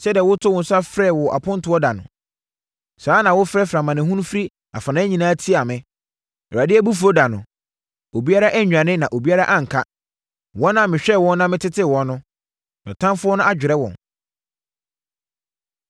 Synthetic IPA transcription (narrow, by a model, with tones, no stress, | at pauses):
sɛ˦di˨ɛ˨wʊ˦tʰʊ˦wʊ̃˨n̩˦sʊ˦a˦fɾɛ˦˨wɔ˨ʔa̰˨pʰʊ̃˦n̩˦tʰʊ˨˦ɔ˦da˨nʊ̰̃˨ | saː˨˦nã˨wʊ˦fɾɛ˦fɾã˨mã˨nɪ̃˨ɦũ˦n˦fɾi˦ | a̰˨fa˨nã˦ɲĩ˨nãː˦tʰi˦a˨mɪ̃˨ | ɛ˨ɾa˨dɪ˦ɛ˦bu˦fu˨ɾo˦da˨nʊ̃˨ | o˨bi˦a˦ɾa˦ʔɛ˦ɲᶣ˨ã˨nɪ̃˦nã˨ʔo˨bi˦a˦ɾa˦ʔã˦ŋ̩˨kʰa˦ | wɔ̃˦nã˦˨mɪ̃˨ɕᶣɛ˦˨wɔ̃˦nː˦ã˦mɪ̃˦tʰɪ˦tʰɪ˦wɔ̃˨nːʊ̃˦ | nɛ̰̃˨tʰã˦mfʊ˦ɔ˦nʊ̃˦ʔa˦d͡ʑᶣɪ˨ɾɛ˦wɔ̰̃˨n